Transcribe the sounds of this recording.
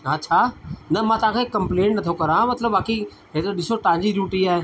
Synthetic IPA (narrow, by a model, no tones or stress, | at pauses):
ət͡ɕʰaːnɐmãːt̪ɐʋãkʰeːkːɐ̃mplẽːɳʈnɐt̪ʰokɐɾãmɐt̪ləbːaːki | ɦet̪ɾoɗɪsoʈãːɲd͡ʑiɾuːʈiaːɦe